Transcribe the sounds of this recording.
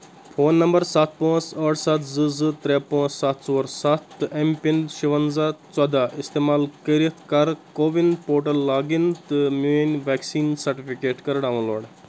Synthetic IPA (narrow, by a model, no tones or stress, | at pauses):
pʰoːnːɐmbɐɾsat̪̚ʰpõːt͡sɐːʈsɐt̪ʰzɨzɨt̪ɾeːpõːt͡ssɐt̪ʰsoːɾsɐt̪ʰːɨʔempinʃiʋɐnzaːt͡sɐd̪aːʔist̪eːmaːlkəɾit̪ʰkɐɾkoːʋinpoːʈɐlːaːɡint̪ɨmenʲʋɛːksiːnsɐɾʈifikeːʈkɐɾɽaːʋɐ̃loːɽ